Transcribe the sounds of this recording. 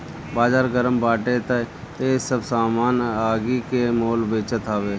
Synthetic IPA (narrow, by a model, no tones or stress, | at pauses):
baːd͡ʒaːɾɡəɾəmbaːʈet̪ə | t̪esəbsaːmaːnaːɡikemoːlbeːt͡ʃət̪aːʋeː